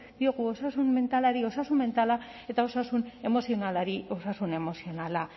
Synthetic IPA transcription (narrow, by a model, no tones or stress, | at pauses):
d̪io̞ɣuo̞sasunme̞nt̪alaɾio̞sasumme̞nt̪ala | e̞t̪ao̞sasune̞mo̞sionalaɾio̞sasune̞mo̞sio̞nala